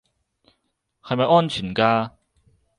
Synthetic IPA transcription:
hɐ˨jmɐ˨jɔː˥nt͡ʃʰyː˨˩nkaː˧

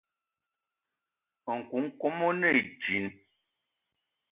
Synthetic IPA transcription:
ə˨ŋ̩˨ku˨˦ŋ̩˦ko˦mo˦nə˦˨d͡ʒi˨˦n

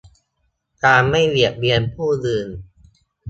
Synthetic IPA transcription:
kaː˧nma˥˩jli˨˩ək̚bi˧ənpʰuː˥˩lɯː˧n

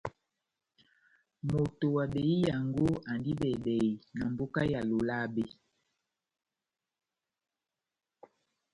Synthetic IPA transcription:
mo˨to˨wa˨ɓe˨i˦ja˨ŋɡo˦a˨ndi˦bɛ˨bɛ˨i˨na˨mbo˦ka˦ja˨lo˨la˦be˨

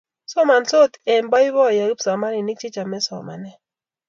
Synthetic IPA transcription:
sɔ˦ma˨nso˦˨t̪ɛ˨mba˦i˦βɔ˦˨ja˨i˦psa˨ma˦ni˨ni˦k̚t͡ʃi˦t͡ʃa˨mɛ˦sɔ̰˨ma̰˨nɛ˦˨

